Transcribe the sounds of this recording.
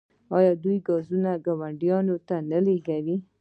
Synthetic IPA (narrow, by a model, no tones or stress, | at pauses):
ɑjɑd̪ujɡɑzunaɡawaɳɖjɑnot̪analeɡawi